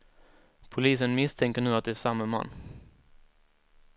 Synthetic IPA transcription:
pʰʊliːs̬ənmɪst̪ʰɛŋkəɳʉ̟ːat̪̚d̪ɛæʂamːama̰nː

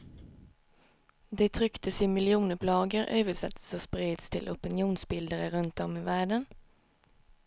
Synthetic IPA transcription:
d̪eːt̪ʰʁʏkt̪əsiːmɪlɪuːnəpʰlɑːɡəʁʔœ̰ʏʋɪsɛ̰t̪soːspʁiːd̪st̪ʰɪlʔʊpɪnɪuːnsbɪld̪əʁəʁʉnt̪ɔmiːʋæɖən

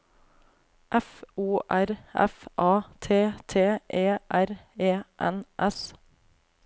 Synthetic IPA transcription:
ʔæfuːʔæɾʔɛ̰fʔɑːt̪ʰeːt̪ʰeːʔeːʔæɾeːʔɛ̰nʔɛs

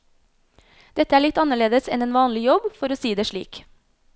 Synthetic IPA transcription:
d̪̥ɛt̪əæːɭɪt̪ːɑnəɭeːd̪əsɛneːnʋɑːnlɪjɔbfɔɾoːsiːd̪eːʂɭḭːk

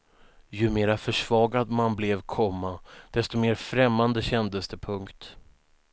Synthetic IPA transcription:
jɵmeːɾafœʂv̥ɑːɡad̪manblɛvkʰɔmːad̪̥ɛst̪ɔmeːɾfɾɛmːand̪əɕɛnd̪əst̪əpʰɵŋkt̪

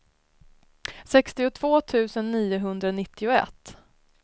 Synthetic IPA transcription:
sɛkst̪ɪʊt̪ʰv̥oːt̪ʰʉ̟ːsənːiːʊɦɵnd̪ɾanɪt̪ʰːɪʊɛ̰t̪ː

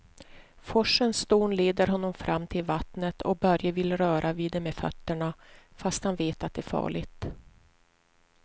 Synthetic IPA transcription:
fɔʂənst̪oːnleːd̪əɾɦɔnːɔmfɾʔamːt̪ʰɪlvat̪nət̪ʰɔ̰k̚bœɾjəvɪlɾœːɾʔaviːd̪ɛmeːfœ̰t̪ːəɳafast̪hanveːt̪at̪̚d̪ɛːɾfɑ̰ːɭɪɡt̪

